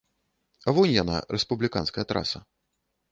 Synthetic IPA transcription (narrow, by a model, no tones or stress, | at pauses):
ɐvɔnʲjana̰ɾɛspublʲikanskɐjɐt̪ɾa̰sɐ̰